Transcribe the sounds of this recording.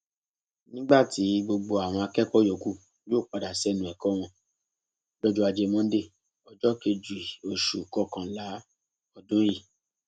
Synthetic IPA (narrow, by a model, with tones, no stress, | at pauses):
nĩ˦ɡ͡ba˦˨ti˨˦ɡ͡bo˧ɡ͡bo˧a˨w̃ɔ̃˧a˧kɛ˦˨kɔ˦jɔ˨ɡu˦ | joː˦˨k͡pa˨˧da˨sɛ˦˨nũ˨ɛ˨kɔ˦w̃ɔ̃˧ | lɔ˦d͡ʒu˦a˧d͡ʒe˧mɔ̃˦de˦˨ | ɔ˨d͡ʒɔ˦ke˧d͡ʒu˨i˨o˨ʃu˨kɔ˦˨kã˨la˨˦ | ɔ˧dũ˦ji˦˨